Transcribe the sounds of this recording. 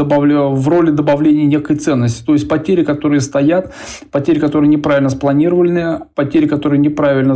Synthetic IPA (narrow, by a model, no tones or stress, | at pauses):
əbɐvro̞lʲɪd̪əbɐvlʲenʲɪjənʲekəjt̪sɛnːəsʲtʲɪ̥t̪o̞jɪsʲtʲpɐtʲeɾʲɪkɐt̪o̞ɾɨjəst̪ɐjat̪ | pɐtʲeɾʲɪkɐt̪o̞ɾɨjənʲɪpɾavɪlʲnəsplˠɐnʲiɾəvəlʲnɨjəpɐtʲeɾʲɪkɐt̪o̞ɾɨjənʲɪpɾavʲɪlʲnə